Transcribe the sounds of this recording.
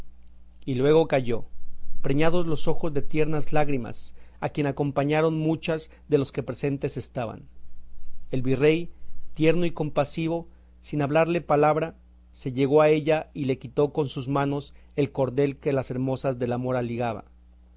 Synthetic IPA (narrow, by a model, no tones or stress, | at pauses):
ilwe̞ɣo̞kaʝo̞pɾeɲað̞o̞zlo̞so̞xo̞zðe̞t̪je̞ɾnazlaɣɾima̰sakje̞nako̞mpaɲaɾo̞nmut͡ʃaz | ðe̞lo̞ske̞pɾe̞se̞nt̪ese̞st̪aβa̰n | e̞lβire̞jt̪je̞ɾno̞iko̞mpasiβ̞o̞ | sinaβlaɾle̞palaβɾa | se̞ʝe̞ɣo̞ae̞ʝaile̞kit̪o̞ko̞nsuzmãno̞s | e̞lko̞ɾðe̞lke̞lase̞ɾmo̞sazðe̞lamo̞ɾaliɣaβa̰